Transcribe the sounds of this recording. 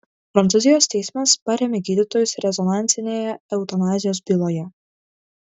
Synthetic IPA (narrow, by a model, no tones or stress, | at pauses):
pɾɐnt̪sʊzʲɪjoːst̪ʲɛɪsʲmɐspɐɾʲɛmʲeɡʲiːd̪ʲɪt̪oːjʊsɾʲɛzɔnɑˑnʲtsʲɪnʲeːjɛɛʊt̪ɐnɑːzʲɪjoːsbʲilˠoːjɛ